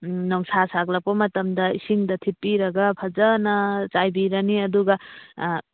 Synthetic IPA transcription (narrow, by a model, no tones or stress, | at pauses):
nɔŋsasaklɐk̚pɐmɐtɐmdɐisiŋdɐtʰipːiɾɐɡɐpʰɐd͡ʒɐnɐt͡ʃajbiɾɐniɐduɡɐ